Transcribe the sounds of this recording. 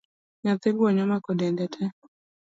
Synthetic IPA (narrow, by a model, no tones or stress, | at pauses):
ɲat̪ɪɡwɔɲɔmakɔdɛndɛtʰɛ